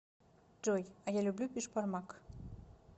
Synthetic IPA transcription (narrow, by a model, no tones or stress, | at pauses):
d͡ʒojɑjalʲublʲupʲiʃpɑrmɑk